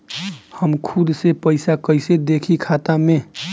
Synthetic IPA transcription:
həmkʰʊd̪sepəɪsakəɪsed̪eːkʰikʰaːt̪amẽ

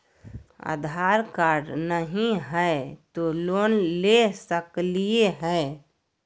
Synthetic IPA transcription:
a̰d̪ʱaɾkaɾɖnəɦĩɦɛt̪oloːnlesəklieɦɛ

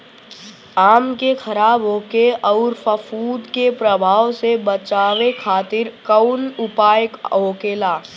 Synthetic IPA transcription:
aːmkexʰɐɾaːbɦoːkeʔɔʊɾfəfuːd̪kepɾəbʱaːʋsebət͡ʃaːʋekʰaːt̪ɪɾkəʊnʊpaːjəkɦoːkeːlaː

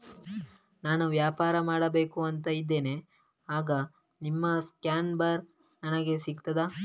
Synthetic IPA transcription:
naːnuʋjaːpaːɾɐmaːɽɐbe̞ːkuɐnt̪ɐid̪ːe̞ːne̞ | aːɡɐ | nimːɐskjaːnbɐɾ | nɐnɐɡe̞siɡ̚t̪ɐd̪a

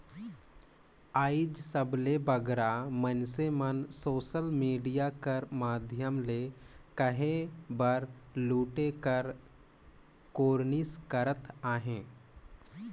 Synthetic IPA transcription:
aːɪd͡ʒsəblebəɡɾamənsemənsoːʃəlmiːɖijakəɾmaːd̪ʱjəmlekəɦẽbəɾluːʈekəɾ | koːɾniskəɾət̪aːɦẽː

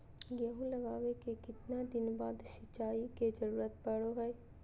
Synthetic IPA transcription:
jəɦũləɡaːʋekekɪt̪nad̪ɪnbaːd̪ʃɪt͡ʃaːiked͡ʒəɾuːɾət̪̚pəɽoɦɛe

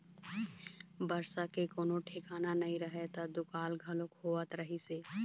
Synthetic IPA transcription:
bəɾsakekoːnoʈʰekaːnanɐɦĩɾəɦet̪ad̪ʊkaːlɡʱɐlokɦoːət̪ɾəɦiseː

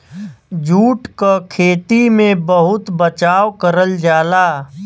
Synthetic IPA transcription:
d͡ʒuːʈkakʰeːt̪imẽbəɦʊt̪bət͡ʃaːwkəɾəld͡ʒaːlaː

